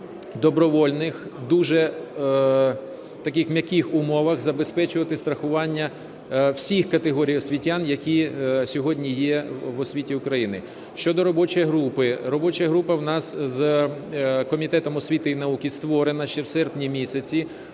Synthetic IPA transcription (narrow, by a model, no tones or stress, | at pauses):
d̪ɔbɾɔʋɔlʲnɪxd̪uʒɛ | t̪ɐkɪxmʲɐkʲɪxʊmɔʋɐxzɐbespɛt͡ʃʊʋɐt̪ɪst̪ɾɐxʊʋɑnʲːɐ | w̥sʲixkɐt̪eɦɔɾʲijɔsʲʋʲitʲanjɐkʲisʲɔɦɔdʲnʲijɛʋɔsʲʋʲitʲiʊkɾɐjinɪ | ʃt͡ʃɔd̪ɔɾɔbɔt͡ʃɔjɦɾupɪrɔbɔt͡ʃɐɐɦɾupɐwnɑsz | kɔmʲit̪ɛt̪ɔmɔsʲʋʲit̪ɪinɐukɪst̪ʋɔɾenɐʃt͡ʃɛwsɛrpnʲimʲisʲɐt͡sʲi